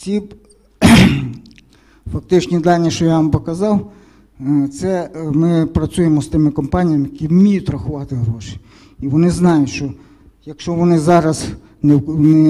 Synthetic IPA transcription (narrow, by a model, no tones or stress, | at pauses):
tʲi | fɐk̚t̪ɪt͡ʃnʲid̪ɑlʲnʲiʃt͡ʃɔjaʋɑmpɔkɐzɑw | t̪sɛmɪpɾɐsʲujemɔst̪ɪmɪkɔmpɑnʲijɐmɪjɐkʲimmʲijʊt̪ʲɾɐxʊʋɑt̪ɪɦɾɔʃɪ̥ | iʋɔnɪznɑjʊtʲʃt͡ʃɔ | jɐkʃt͡ʃɔʋɔnɪzɑɾɐz | newnɛ